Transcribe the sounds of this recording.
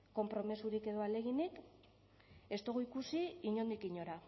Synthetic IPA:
ko̞mpɾo̞mesuɾike̞ðo̞ale̞ɣ̞inik | e̞st̪o̞ɣuikusiiɲo̞nd̪ikiɲo̞ɾa

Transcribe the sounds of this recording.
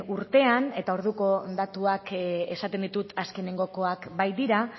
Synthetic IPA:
uɾt̪e̞ane̞t̪ao̞ɾðuko̞d̪at̪uake̞sat̪e̞nd̪it̪ut̪aske̞ne̞ŋɡo̞ko̞akbajd̪iɾa

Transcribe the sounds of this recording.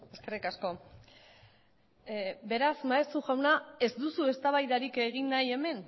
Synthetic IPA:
eske̞rikasko̞ | be̞ɾasmaesuʝawnae̞zd̪usue̞st̪aβajðaɾike̞ɣinːaje̞me̞n

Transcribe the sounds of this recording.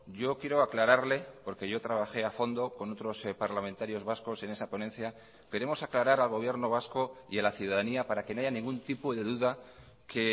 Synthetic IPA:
ɟ͡ʝo̞kje̞ɾo̞aklaɾaɾle̞po̞ɾke̞ʝo̞t̪ɾaβ̞axe̞afo̞nd̪o̞ko̞no̞t̪ɾo̞spaɾlament̪aɾjo̞zβasko̞se̞ne̞sapo̞nẽ̞nθja | ke̞ɾe̞mo̞saklaɾaɾalɣ̞o̞β̞je̞ɾno̞β̞asko̞ḭalaθjuðaðaniapaɾake̞no̞aʝanĩŋɡunt̪ipoðe̞ðuða | kʰe̞

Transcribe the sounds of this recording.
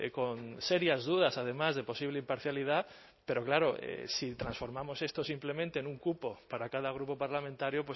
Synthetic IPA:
ko̞nseɾjazðuðasað̞e̞mazðe̞po̞siβleimpaɾθjalið̞a | pe̞ɾo̞klaɾo̞ḛsit̪ɾãnsfo̞ɾmamo̞se̞st̪osimple̞mẽnt̪e̞ːnuŋkupo̞paɾakaðaɣ̞ɾupo̞paɾlamẽnt̪aɾjopwe

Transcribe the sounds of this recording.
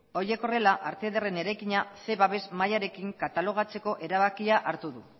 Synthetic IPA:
o̞ɾie̞ko̞re̞laʔaɾt̪eðere̞ne̞ɾajkiɲase̞βaβe̞zmajaɾe̞kiŋkat̪alo̞ɣ̞at͡se̞ko̞ʔe̞ɾaβakiaʔaɾt̪uðu

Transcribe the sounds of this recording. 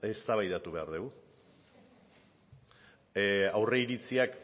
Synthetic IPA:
e̞st̪aβajðat̪uβe̞aɾðeu | awre̞iɾit͡siak

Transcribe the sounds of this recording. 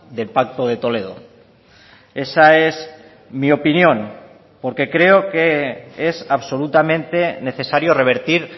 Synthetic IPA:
d̪e̞lpak̚t̪oð̞e̞t̪o̞le̞ð̞o̰ | e̞saez | mio̞pinjõ̞n | po̞ɾke̞kɾe̞okeesaβso̞lut̪amẽnt̪e̞ne̞θe̞saɾjore̞β̞e̞ɾt̪iɾ

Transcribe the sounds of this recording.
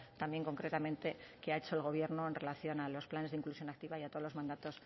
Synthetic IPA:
t̪ambje̞ŋko̞ŋkɾet̪amẽnt̪e̞keae̞t͡ʃo̞elɣ̞o̞β̞je̞ɾno̞enre̞laθjo̞nalo̞splane̞ziŋklusjo̞nak̚t̪iβajat̪olo̞mãnd̪at̪o̞s

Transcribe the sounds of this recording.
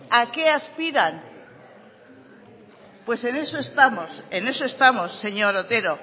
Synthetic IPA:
ake̞aspiɾan | pwe̞se̞nesoest̪amosene̞soest̪amo̞sːe̞ɲo̞ɾot̪e̞ɾo̞

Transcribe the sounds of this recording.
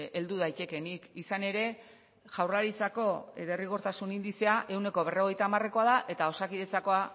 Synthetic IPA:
e̞ld̪uðajt̪e̞ke̞nikisane̞ɾe̞ | ʝawraɾit͡sako̞βe̞riɣ̞oɾt̪asunind̪ise̞aʔe̞wne̞ko̞β̞e̞ro̞ɣ̞e̞jt̪aːmare̞ko̞aðaʔe̞t̪ao̞sakiðe̞t͡sako̞a

